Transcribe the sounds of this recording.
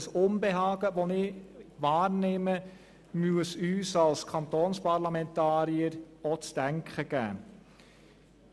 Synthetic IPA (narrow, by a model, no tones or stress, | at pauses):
sonbeɦɑːɡ̥əʋɔnɪʋɑːɾnɪmə | myəsyːsɑlskʰɑnt̪oːnspɑɾlamɛnt̪ɑːɾiəɾɔt͡sd̥æŋkχəɡ̥æ̰ː